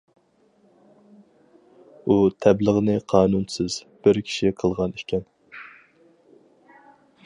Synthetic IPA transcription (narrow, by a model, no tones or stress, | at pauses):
ut̪ʰɛbləʁnɨqʰɑːnunsɨz̥ | b̥ɪɾkʲʰi̥ʃiqʰəlˠʁɑnikʲʰɛn